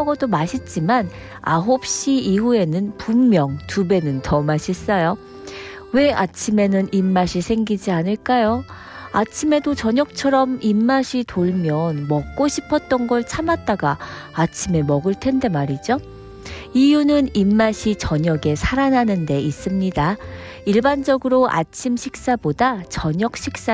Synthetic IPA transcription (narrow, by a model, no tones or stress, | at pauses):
ʌɡʌdomaɕʰit̚t͡ɕ͈iman | a̰ɦop̚ɕ͈iːɦue̞nɯnpumːjʌŋtube̞nɯntʌmaɕʰis͈ʌjo | we̞at͡ɕʰime̞nɯnʔimːaɕʰisʰe̞ŋɡid͡ʑianɯɭk͈ajo | at͡ɕʰimedot͡ɕʌɲʌk̚t͡ɕʰʌɾʌmimːaɕʰitoɭmjʌnmʌk̚k͈oɕʰipʰʌt̚t͈ʌnɡʌɭt͡ɕʰamat̚t͈aɡaː | t͡ɕʰime̞mʌɡɯɭtʰe̞nde̞maɾid͡ʑo | ijunɯnimːaɕʰit͡ɕʌɲʌɡe̞sʰaɾanɦanɯnde̞is͈ɯmɲida | iɭband͡ʑʌɡɯɾoʔa̰t͡ɕʰimɕʰik̚s͈abodat͡ɕʌɲʌk̚ɕ͈ʰik̚s͈a